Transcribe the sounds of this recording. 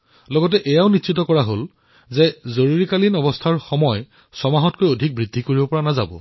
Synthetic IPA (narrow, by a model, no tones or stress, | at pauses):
lɔɡɔtɛʔɛjaʊnitsitɔkɔɹaɦol | zɛzoɹuɹikalinɔbɔstʰaɹxɔmɔj | sɔmaɦɔtkojodʱik̚bɹidʱikoɹibɔpɔɹanaza̰bɔ̰